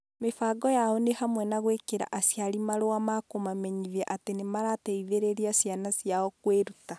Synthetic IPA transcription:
mefaːɡɔjaɔnehamwɛnaɣwekeɾa̰ʔasjaɾimaɾoamakomamɛɲiðɛʔatenemaɾatɛiðeɾeɾiasjanasjaɔkweɾuta

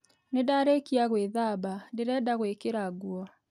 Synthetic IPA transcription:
nedaɾekiaɣweðabadeɾɛdaɣwekeɾaɡwɔ

